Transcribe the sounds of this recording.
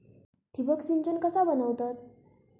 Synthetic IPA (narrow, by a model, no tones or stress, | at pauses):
t̪ʰibəksint͡ɕənkəsabənəʋt̪at̪̚